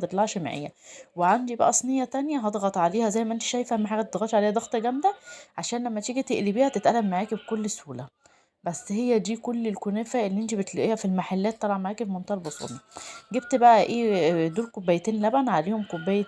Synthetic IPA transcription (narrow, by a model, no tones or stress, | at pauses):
t̪et̪ˤlɑʕʃema̰ʕḛjːæweʕand̪ibæʔæ̰sˤnejːɑt̪ænjæɦɑd̪ˤɣɑt̪ˤʕaleːhæzæjːmæʔent̪i̥ʃæjfhæmːæħaːɡæt̪ed̪ɣɑt̪ʕaleːhæd̪ɑɣt̪ˤɑɡæmd̪æʕaʃæːnlæmːæt̪ʃeɡæt̪eʔlibiːhæt̪et̪ʔælːæmːaʕæːkebkolːsuːlæ | bæsːhejːæd̪iːkolːelkonefæʔelːiʔent̪̬ibet̪læʔeːhæfilmaħalːæːt̪ːɑbʕɑnmaʕæːkefmont̪ɑhɑlbosˤṵːlnːɑɡebt̪bæʔæʔeːd̪uːɾkobːæjt̪eːnlæbænʕaleːhomkobːæːjː